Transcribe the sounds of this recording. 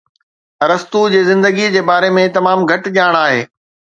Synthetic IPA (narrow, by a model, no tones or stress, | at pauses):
ɾɐst̪ud͡ʑeːzɪ̃nd̪əɡid͡ʑeːbaːɾemẽt̪ɐmaːmɡʱɐʈ̆ʄaːɽ̃aːɦḛː